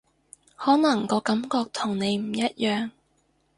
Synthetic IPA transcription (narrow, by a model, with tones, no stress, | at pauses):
hɔː˨˥nɐ˨˩ŋkɔː˧kɐ˨˥mkɔː˧k̚t̪ʰʊ˨˩ŋne˨˧jm̩˨˩jɐ˦˥t̚jœː˨˧ŋ